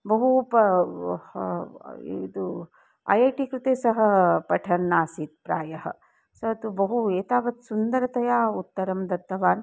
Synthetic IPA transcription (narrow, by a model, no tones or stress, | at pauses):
bɐɦupɐ | id̪u | ɐ̰jɐːʈikɾut̪eːsɐɦɐpɐʈʰɐnːaːsiːt̪̚pɾaːjɐɦɐ̰̆ | sɐt̪ubɐɦueːt̪aːʋɐt̪sund̪ɐɾɐt̪ɐjaːut̪ːɐɾɐmd̪ɐt̪ːɐʋaːn